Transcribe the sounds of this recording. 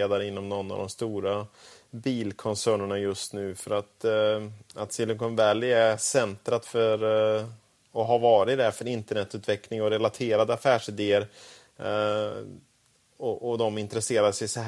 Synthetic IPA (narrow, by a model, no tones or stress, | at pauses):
eːd̪aɾəɪnːɔmnɔnːa̰vd̪ɔmst̪uːɾa | biːlkʰɔnsæːɳəɳajɵst̪nʉ̟ːfœɾat̪ | at̪sɪlɪŋkɔnvɛlːɛsɛnt̪ɾat̪fœɾ | ɔɦavɑːɾɪd̪ɛfœɾɪnt̪əɳɛt̪ːʉːt̪vɛklɪŋɔɾɛlat̪ʰeːɾad̪əafæːʂɪd̪eːəɾ | ɔʔɔd̪ɔmɪnt̪ɾɛseːɾad̪ʂɛjsɔ